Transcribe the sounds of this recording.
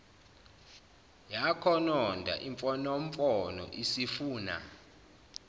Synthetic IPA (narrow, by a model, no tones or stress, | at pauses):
jakʰɔnɔndʱa̰ʔiɱfɔnomfɔnɔ̰ʔisifuːna̰